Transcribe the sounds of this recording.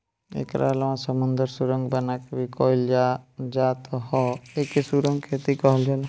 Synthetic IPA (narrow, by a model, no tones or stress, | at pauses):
ḛkɾa̰lmãsəmənd̪əɾsuɾəŋɡbənakebʱikɔɦild͡ʒad͡ʒat̪ɔhɔekesuɾəŋɡkʰet̪ikɔɦld͡ʒal